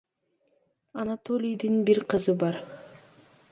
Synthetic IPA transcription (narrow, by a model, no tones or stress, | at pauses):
ɑnat̪olʲijd̪inbiɾqʰɯzɯbɑɾ